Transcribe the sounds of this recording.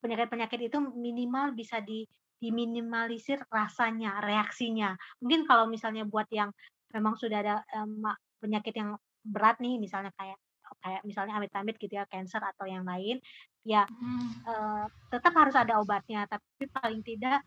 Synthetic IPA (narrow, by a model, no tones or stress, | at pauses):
pəɲakɪt̪̚pəɲakɪt̪it̪uminimalbisadi | d̥iminimalisɪrːasaɲareaksiɲamuŋkɪnkalawmisalɲabuat̪̚jaŋ | memaŋsudahadaəma | pəɲakɪt̪jaŋ | bəɾat̪̚nɪhmisalɲakajaʔ | əkajaʔmisalɲaːmbɪt̪ambɪt̪̚ɡ̥it̪ujakɛnsərat̪awjaŋlaɪn | ja | ət̪ət̪əphaɾʊsadaobat̪̚ɲat̪apiapipalɪŋt̪idaʔ